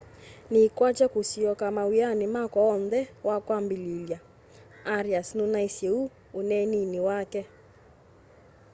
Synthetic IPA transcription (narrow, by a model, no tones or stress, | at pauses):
nikwat͡ʃɛkusiɔkamawianimakɔːnðɛwakwambililja | aɾiasnunaiseu | unɛniniwakɛ